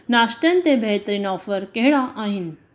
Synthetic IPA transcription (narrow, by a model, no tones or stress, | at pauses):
nasʈ̪jãnt̪ebʱeɦt̪əɾinɔfəɾkeɭaʔaɦin